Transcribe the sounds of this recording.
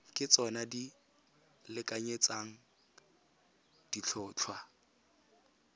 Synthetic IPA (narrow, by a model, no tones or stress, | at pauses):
kʼɪt͡sʼɔnadi | lɪkʼaɲet͡saŋ̩ | d̥it͡ɬʰʊːt͡ɬʰwa